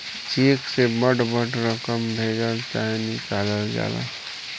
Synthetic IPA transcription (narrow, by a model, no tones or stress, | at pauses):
t͡ʃeːksebəʈbəʈɾəkəmbʱeːd͡ʒəlt̪aːnɪkaːləld͡ʒa̰ːla̰ː